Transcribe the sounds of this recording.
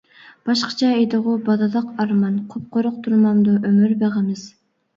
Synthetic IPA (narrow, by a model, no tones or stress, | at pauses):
b̥ɑʃqɑ̥t͡ʃʰɑed̪ɨʁʊbɑd̪ɨlˠəqɑɾmɑnqʰʊp̚qʰoɾʊqt̪ʰuɾmɑmd̪uʔømyɾbeʁɪmɪz̥